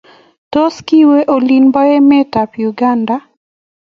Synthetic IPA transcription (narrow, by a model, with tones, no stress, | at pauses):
tɔ˦ski˦we˦ʔolinba˦e˦mɛ˦tapjuɡanda